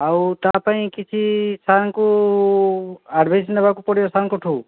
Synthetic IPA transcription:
awt̪apaĩkit͡ʃʰisanku | aɾbʱesnʌbakupɔɽijosankoʈʰuw

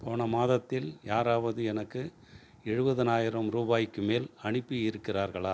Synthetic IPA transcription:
poːɳɐmaːðɐt̪ːɪljaːɾaːʋɐðɯɛnɐkːɯ | ɛɻɯbɐðɐnaːjɪɾɐmɾuːbaːjɪkːɯmeːlɐɳɪpːɯjɪɾɯkːɪraːɾɣɐɭaː

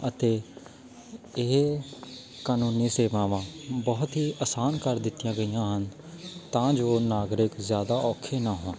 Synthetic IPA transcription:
ət̪eː | ɪɦ | kaːnuːniːseːʋãːʋãːbɔːt̪ɦiːʔəsaːnkəɾd̪ɪt̪ːijãːɡəijãːɦən | t̪ãːd͡ʒoːnaːɡɾɪkzjaːd̪aːʔɔːkʰeːnaːɦõː

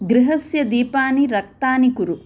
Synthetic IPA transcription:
ɡɾiɦɐsjɐd̪iːpaːniɾɐkt̪aːnikuɾu

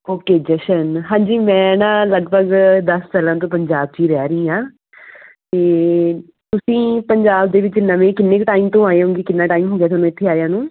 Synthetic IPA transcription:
oːkeːd͡ʒɛʃənɦãːɲd͡ʒiːmɛ̃ːnãːləɡbʱəɡd̪əst͡ʃaːlãːt̪̬õːpəɲd͡ʒaːb̚t͡ʃiːɾɛːɾəĩːjãː | t̪eː | t̪ʊsĩːpəɲd͡ʒaːb̚d̪eːʋɪt͡ʃnəʋẽːkɪnːeːkʈaːɪmt̪õːaːeːɦõːŋɡeːkɪnːãːʈaːimɦoːɡjaːt̪ʰoːnõːɪt̪ʰːeːaːjãːnũː

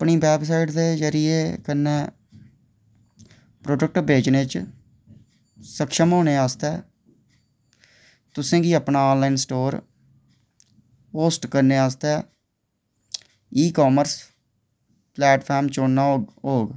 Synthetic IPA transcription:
əpɳiːbɛːbs̬aːɪʈd̪eːzəɾɪjeːkənːɛː | pɾoːɖək̚ʈbʱeːd͡ʒneːt͡ʃ | səkʃəmɦoːneːaːst̪ɛː | t̪ʊsẽːɡiːəpnaːɔːnlaːɪnsʈoːɾ | poːsʈkəɾneːaːst̪ɛː | iːkaːməɾs | plɛːʈpʰaːɾmt͡ʃoːnːaːɦoːɡ

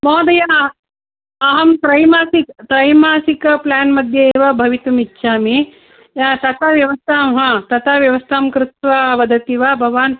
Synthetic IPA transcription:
mɔːd̪ɐja | ɦɐmt̪ɾɐjmaːsikt̪ɾɐjmaːsikɐplaːnmɐd̪ʱjɐeːʋɐbʱɐʋit̪umitːʃʰaːmi | t̪ɐt̪ɐʋjɐʋɐst̪ʰaːmɦɐt̪ɐt̪ʰaʋjɐʋɐst̪ʰaːmkɾɪt̪ʋaʋɐd̪ɐt̪iʋabʱɐʋaːn

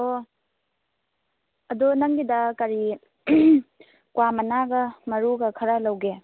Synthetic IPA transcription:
o | ɐdunɐŋɡidɐkɐɾi | kwamɐnaɡɐmɐɾuɡɐkʰɐɾɐlɐwɡe

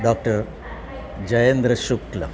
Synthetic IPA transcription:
ɖoːk̚ʈɐr | d͡ʑɐjɐnd̪ɾɐʃuklɐ̰

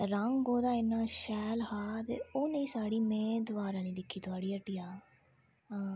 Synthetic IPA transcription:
ɾəŋɡoːd̪aːɪnːaːʃɛːlhaːt̪ḛːoːneĩːsaːɽiːmɛ̃ːd̪ʊʋaːɾãːnĩːd̪ɪkʰːiːt̪ʊaːɽiːəʈːiːaː | ɦãː

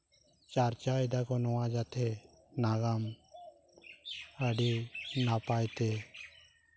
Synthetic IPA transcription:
t͡ʃaɾt͡ʃajd̪akɔnɔwad͡ʒat̪ʰɛ | naɡam | əɖinapajt̪ɛ

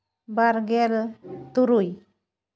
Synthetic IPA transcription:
baɾɡɛlt̪uɾuj

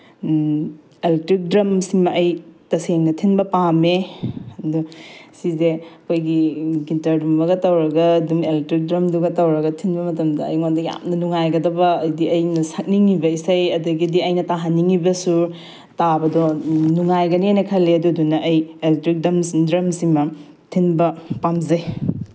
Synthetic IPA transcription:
eltɾik̚dɾɐmsimɐɐjtɐseŋnɐtʰinbɐpameɐdusizeɐkʰojɡiɡintɐɾdumːɐɡɐtɐwɾɐɡɐːdumeltɾik̚dɾɐmduɡɐtɐwɾɐɡɐtʰinbɐmɐtɐmdɐɐ̰jŋondɐja̰mnɐnuŋajɡɐdɐbɐːjdiɐjnɐsɐk̚niŋibɐisɐjɐduɡidiɐjnɐtaɦɐnːiŋibɐsu | tabɐdɔnuŋajɡɐniajnɐkʰɐlːeɐduɐdunɐʔɐjeletɾik̚dɐmsdɾɐmsiŋmɐ | tʰinbɐpamzɐj

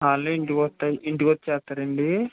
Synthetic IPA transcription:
aːlːuiɳʈikɔt̪ːajiiɳʈikɔt̪ːt͡ʃɛːst̪ːɐɾɐɳɖi

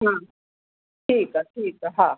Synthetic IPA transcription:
hã | ʈʰiːkəʈʰiːkəɦã

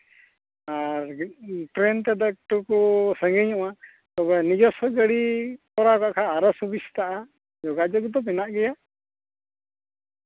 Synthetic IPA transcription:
aɾʈɾɛnt̪ɛd̪ak̚ʈukɔsəŋɡɛɲɔʔa | t̪ɔbɛnid͡ʒɔsɔɡəɽipɔɾakaʔkʰaːɾəsubist̪aʔa | d͡ʒɔɡad͡ʒɔɡd̪ɔpɛnaʔɡɛja

